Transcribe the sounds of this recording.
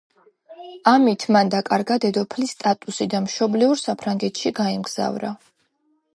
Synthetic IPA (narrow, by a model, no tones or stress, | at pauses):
amit̪ʰmand̪akʼaɾɡad̪ɛd̪ɔpʰlist̪ʼat̪ʼusid̪amʃɔbliuɾsapʰɾaŋɡɛt̪ʰʃiɡaimɡz̥a̰vɾa̰